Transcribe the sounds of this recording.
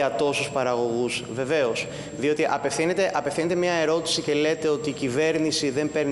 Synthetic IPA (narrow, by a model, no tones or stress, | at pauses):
ɐt̪o̞suspɐɾɐɣo̞ɣuzve̞ve̞os | ðio̞t̪iʔɐpe̞fθinet̪e̞ʔɐpefθinet̪e̞mɲɐe̞ɾo̞t̪i̥sice̞le̞t̪e̞o̞t̪iːcive̞ɾnisiðe̞mpe̞ɾn